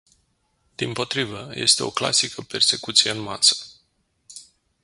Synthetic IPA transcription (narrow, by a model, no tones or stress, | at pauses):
d̪̥impo̞t̪ɾivəje̞̰st̪e̞o̞̰kla̰sikəpe̞rse̞kut̪sije̞ɨnma̰sə̥